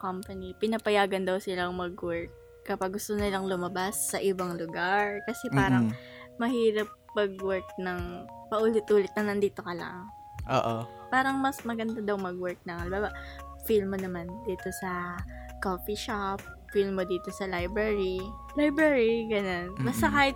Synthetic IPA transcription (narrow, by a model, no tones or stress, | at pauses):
kompɐnipɪnɐpɐjaːɡɐnd̪ɐwsɪlaʊŋmɐɡwɛɹk̚ːɐpaɡːʊst̪onɪlɐŋlʊmɐbasːɐʔɪbaŋlʊɡaɹkɐsɛpaːɾɐŋ | mɐhiːɾɐp̚pɐɡ̚wɛɹk̚nɐŋ | pɐʔuːlɪt̪̚ʔuːlɪt̪̚nɐnɐnd̪iːt̪o̞kɐlɐ̰ŋ | ʔo̰ːʔo | paːɾɐŋmɐsmɐɡɐnd̪ad̪ɐwmɐɡwɛɹk̚nɐŋɐlbaːba | filmonɐmand̪iːt̪o̞sɐkoːfiʃap̚ | filmod̪iːt̪o̞sɐlajbɹɛɹi | lajbɹɛɹiɡɐno̞nbɐst̪ɐkaːhɪt̪̚